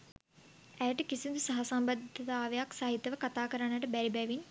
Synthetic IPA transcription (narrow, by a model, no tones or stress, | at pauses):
æjəʈəkisind̪usaɦasɐmbad̪ʱɐt̪aːʋejaksaɦit̪ːəʋəkat̪aːkəɾanːəʈəbæɾibɛʋin